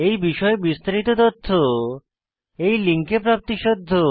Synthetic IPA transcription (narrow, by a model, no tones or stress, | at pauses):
ejbiʃɔebist̪aɾit̪ot̪ot̪ʰːo | ejliŋkepɾap̚t̪iʃod̪ʱːo